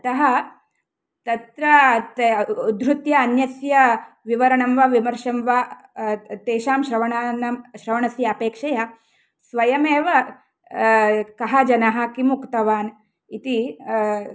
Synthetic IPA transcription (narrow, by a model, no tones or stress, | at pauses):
t̪ɐɦɐ | t̪ɐt̪ɾɐ | ud̪ɾut̪jɐːnjɐsjɐ | ʋiʋɐɾɐɳɐmʋɐʋimɐɾʃɐmʋa | t̪eːʃaːmʃɾɐʋɐɳaːnɐmʃɾɐʋɐɳɐsjɐːpeːkʂɐjɐ | sʋɐjɐmeːʋɐ | kɐɦɐd͡ʒɐnɐɦɐ̆kimukt̪ɐʋaːn | it̪i